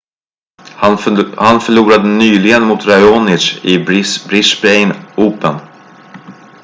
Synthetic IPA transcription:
hanfœɭuːɾad̪ənyːlɪɡənmʊt̪ɾajɔnɪt͡ʃɪbɾɪsbɾɛjnuːpən

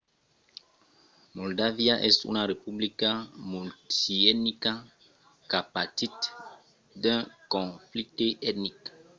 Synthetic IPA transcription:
mɔldaviaʔɛsṵnaɾepublikamutiɛtnika | kapatit̪ | d̪ɛ̃kɔ̃fliteʔɛtnik

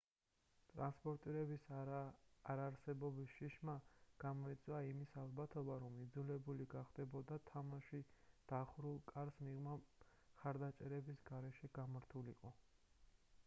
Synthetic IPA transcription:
t̪ʼɾanspʼɔɾt̪ʼiɾɛbisː | ɾaɾsɛbɔbisʃiʃmaɡ̥amɔit̪sʼwaimisalˠbat̪ʰɔbaɾɔmid̪zulɛbuliɡaχd̪ɛbɔd̪at̪ʰamaʃid̪̥aχɾulˠkʼaɾsmiʁma | χaɾd̪at͡ʃʼɛɾɛbisɡaɾɛʃɛɡ̥amaɾt̪ʰulḭqʼɔ

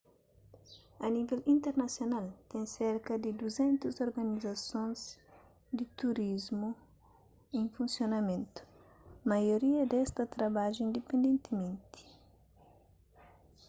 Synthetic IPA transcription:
ɐnivɛlĩnt̪eɾnɐsjonalt̪ɛ̃ŋseɾkɐd̪id̪uzɛ̃nt̪uzoɾɡɐnizɐsõnz | d̪it̪uɾizmu | ẽŋfũnsjonɐmẽnt̪u̥ | mɐjoɾiɐd̪ɛst̪ɐt̪ɾɐbaʒʊĩnd̪epẽnd̪ẽnt̪imẽnt̪i̥

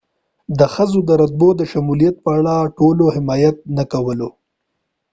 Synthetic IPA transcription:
d̪əxəzod̪əɾad̪̚bod̪əʃamulijat̪̚pəaɽaʈolohɪmɑjat̪̚nakawəlo

